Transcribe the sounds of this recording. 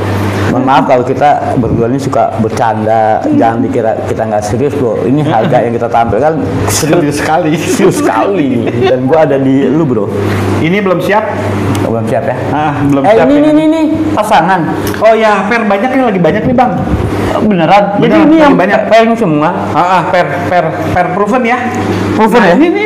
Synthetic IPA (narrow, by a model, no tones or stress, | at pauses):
məŋmaafkalokit̪abərdualɲasuka̰bərt͡ʃandad͡ʒaandikiɾa̰kit̪aŋɡaʔsəɾiʊsdoḭniɦarɡajaŋkit̪at̪ampɪlkan | səɾiʊiʊsə̥kalisɾiʊsːəka̰lini | danɡuaːdadilubɾo | inibəlomsiap̚ | bəlomsiapja | əʔəbəlomaianinininipasaŋan | ojapɛrbaɲak̚ɲalaɡibaɲak̚nibaŋ | bənəɾand͡ʒadinijaŋbaɲak̚pɛrŋsimuŋa | əʔəhpɛr | pɛr | pɛrpɾufənja | pɾufənjaini